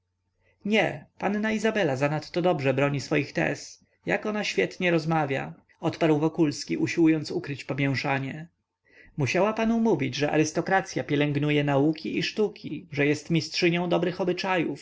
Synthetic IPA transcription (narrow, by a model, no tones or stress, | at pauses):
ɲɛpannaizabɛlazanat̪ːɔd̪ɔbʐɛbɾɔɲisfɔjixt̪ɛ̰s | jakɔnaɕfʲjɛt̪ɲɛɾɔzmavʲja̰ | ɔt̪paɾwvɔkulskʲiʔuɕiwujɔnt̪sukɾɘt͡ɕpɔmʲjɛw̃ʂaɲɛ | muɕawapanumuvʲid͡ʑʐɛʔa̰ɾɘst̪ɔkɾat̪sʲjapʲjɛlɛŋɡnujɛnaukʲiiʂt̪ukʲiʐɛjɛst̪mʲistʂɘɲɔ̃w̃d̪ɔbɾɘxɔbɘt͡ʂajuf